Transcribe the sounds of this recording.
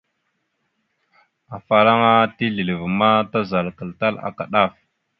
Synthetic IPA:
a˨fa˨ɾa˦ŋa˦ti˦ɮi˨lə˨vma˦ta˦za˨lkə˨lta˦la̰˨ka˨ɗa˦f

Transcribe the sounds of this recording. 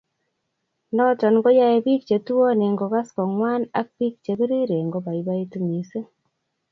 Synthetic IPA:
nɔ˦tɔ˨nŋɡo˦ja˦e˨bi˦k̚t͡ʃe˨tu˦wɔ˦ne˨ŋɡo˨ɣa˦skɔ˨ŋwa˦na̰˦k̚bi˦k̚t͡ʃe˨βe˦ɾe˦ɾe˨ŋɡo˦ba˨i˨βa˦i˦tu˦mi˨se˦

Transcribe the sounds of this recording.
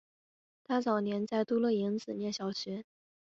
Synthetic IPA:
t̪ʰa˥t͡sɑ˨˩ʊnjɛ˧˥nt͡sa˥˩ɪt̪u˥lɤ˥˩i˧˥ŋt͡sɹ̩˨˩njɛ˥˩nɕjɑ˨˩ʊt͡ɕʰɛ˧˥n

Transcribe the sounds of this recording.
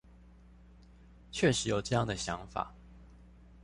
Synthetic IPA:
t͡ɕʰɥɛ˥˩ʂɻ̩˧˦jo˨˩ʊʈ͡ʂɤ˥˧jɑ˥˨ŋd̪ə˩ɕjɑ˧˥ŋfa̰˨˩˦

